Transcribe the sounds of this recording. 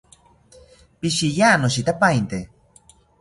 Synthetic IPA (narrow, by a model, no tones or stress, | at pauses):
piʃijanoʃit̪apaint̪e